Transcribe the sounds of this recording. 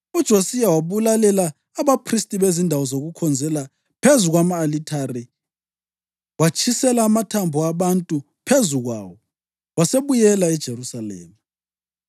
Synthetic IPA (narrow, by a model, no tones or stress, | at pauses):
ud̥ʒ̥ʱosijawaβulalɛlaː | βapʰristʼiβezindʱawɔzoɣukʰɔnd͡zʱɛla | pʰezuɣwamaːlitʰari | wat͡ʃʰʼisɛlaːmatʰambʱuaβantʼu | pʰezuɣwa̰ːwɔ | waseβujɛlaɛd̥ʒ̥ʱerusalɛ̰ːma